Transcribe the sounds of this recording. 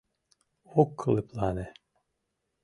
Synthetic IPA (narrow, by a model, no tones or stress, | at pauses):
okʰːɯlˠɯpʰlˠaːnɛ